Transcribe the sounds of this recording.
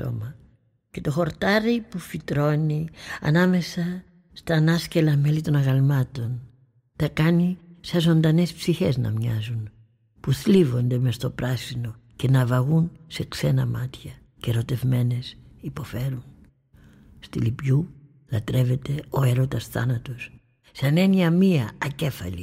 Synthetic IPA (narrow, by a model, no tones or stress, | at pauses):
o̰mɐ | ce̞t̪o̞xo̞ɾt̪ɐɾipufit̪ɾo̞niɐ̰nɐme̞sɐ | st̪ɐnɐscelɐme̞lit̪o̞nɐɣɐlmɐt̪o̞n | t̪ɐkɐnisɐzo̞nd̪ɐne̞spsiçe̞znɐ̰mɲɐzun | puθlivo̞nd̪e̞mest̪o̞pɾɐsino̞ | ce̞nɐvɐɣunse̞kse̞nɐmɐt̪çɐ | ceɾo̞t̪e̞vme̞ne̞sipo̞fe̞ɾun | st̪ilipʝu | lɐt̪ɾe̞ve̞t̪e̞o̞eɾot̪ɐsθɐ̰nɐt̪os | sɐne̞niɐmiɐːce̞fɐ̰lḭ